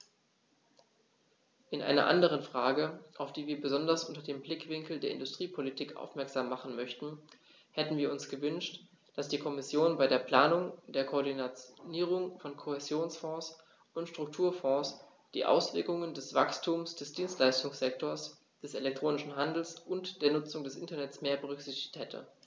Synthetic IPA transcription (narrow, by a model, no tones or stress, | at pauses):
ʔɪnʔa̰ɪnɐ̰ʔa̰ndəʁ̞ənfʁ̥aːɡəʔaʊfd̥iːviːɐbəzɔndɐsʔʊntɐdeːmblɪkv̥ɪŋkl̩deːɐʔɪ̰ndʊstʁ̥iːpʰolitʰiːkʔa̰ʊfmɛɐkz̥aːmːaχn̩mœçtn̩ | hɛtn̩viːɐʊnsɡ̥əvʏnʃt | d̥asd̥iːkʰɔmɪsjoːnbaɪɾeːɐpl̥aːnʊŋd̥eːɐkʰoːɐdinat͡sniːʁ̞ʊŋfɔnkʰohezjoːnsfɔ̃ːs | ʔʊntʃtʁ̥ʊk̚tʰuːɐfɔ̃ːs | d̥ḭːʔa̰ʊsv̥ɪɐkʊŋəndɛsv̥a̰kstʰuːmsd̥ɛsd̥iːnstlaɪstʊŋsz̥ɛktʰoːɐs | d̥ɛselɛk̚tʁ̥oːnɪʃn̩ɦandl̩sʔʊntd̥eːɐnʊt͡sʊŋdɛsʔɪ̰ntɐnɛtt͡smeːɐbəʁ̞ʏkz̥ɪçtɪ̥çthɛtʰə̰